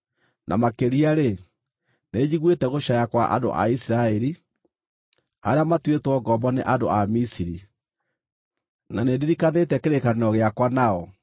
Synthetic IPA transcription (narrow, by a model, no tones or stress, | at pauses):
nʔa̰makeɾiaɾe | ned͡ʑiɣwetɛɣoʃajakwaʔa̰do̰ʔa̰isiɾaɛɾi | haɾeamatwetwɔɡɔmbɔneʔado̰ʔamisiɾi | nanedeɾikanetɛkeɾekaneɔɣeakwanaɔ